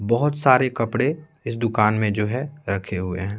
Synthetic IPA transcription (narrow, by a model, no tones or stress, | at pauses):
bɔɦʊt̪saːɾekɐpɽe | ɪs̬d̪ʊkaːnmẽd͡ʒoːɦɛɾɐkʰeɦʊḛɦɛ̃ː